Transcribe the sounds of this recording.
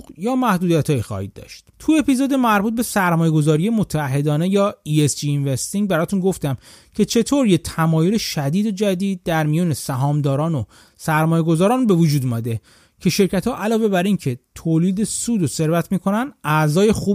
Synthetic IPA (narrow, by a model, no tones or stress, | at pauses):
jɒːmæhd̪uːd̪ijæt̪ʰhɒːjixɒ̰ːhḭd̪ːɒ̰ʃt̪̚t̪ʰue̞pʰizod̪e̞mæɾbuːt̪̚be̞sæɾmɒːje̞ɡo̞zɒːɾije̞mot̪ʰæːɦːe̞d̪ɒːne̞jɒːiesd͡ʒiːnvest̪iŋbæɾɒːt̪ʰunɡo̞ft̪æm | cʰe̞t͡ʃʰe̞t̪ʰoːɾjet̪ʰæmɒːjoleʃæd̪iːd̪od͡ʒæd̪iːd̪̚ːæɾmijɒːne̞sæɦɒːmd̪ɒːɾɒːno | sæɾmɒːje̞ɡo̞zɒːɾɒːnbe̞vod͡ʒuːd̪umæd̪e̞ | cʰe̞ʃe̞ɾcæt̪hɒːʔælɒːve̞bæɾincʰe̞t̪ʰoːliːd̪e̞suːd̪ose̞ɾvæt̪ʰmiːkʰo̞nænæzɒːje̞xuː